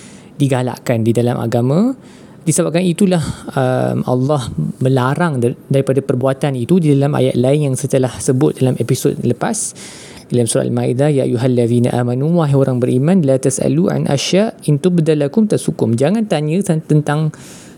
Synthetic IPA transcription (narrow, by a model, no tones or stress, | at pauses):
diɡala̰ʔkandidalamʔa̰ɡamã | disəbap̚kanit̪ulahə̰mɑ̰lːɑhmə̃laɾaŋdaɾipadapərbuat̪anit̪udidalamʔa̰ja̰t̪̚laɪnjaŋsət̪əlahsəbʊt̪̚dalamepisod̚ləpas | dilamsuɾa̰ʔalmaid̪ajaʔa̰juɦalːaðiːna̰ʔaːmanuwaɦaoɾaŋbəɾʔimãnlat̪asʔa̰luʔa̰nʔa̰ʃaint̪ʊbd̪alakʊmt̪ashukʊmd͡ʒaŋant̪aɲə̃t̪at̪ənt̪aŋ